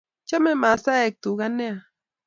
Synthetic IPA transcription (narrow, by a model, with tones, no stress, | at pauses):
t͡ʃa˦me˦ma˨sa˦e˦k̚t̪u˨ɣa˦ne˦a˨